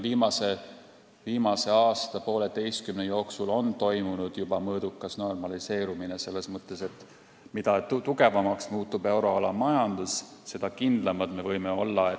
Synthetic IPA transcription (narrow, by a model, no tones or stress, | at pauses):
viːmɑse̞ | viːmɑse̞ɑːst̪ɑpo̞ːle̞t̪e̞jst̪̚kymnejo̞ːksulo̞nt̪o̞jmunud̪̥jub̥ɑmɤːd̪̥ukːˑɑsno̞rmɑlise̞ːɾumine̞se̞lːe̞smɤt̪ːˑe̞se̞t̪ | mid̪̥ɑt̪uɡe̞vɑmɑksmuːt̪ːˑube̞wɾo̞ɑlɑmɑjɑnd̪̥usse̞d̪̥ɑkind̪lɑmɑd̪̥me̞vɤjmeo̞lːɑe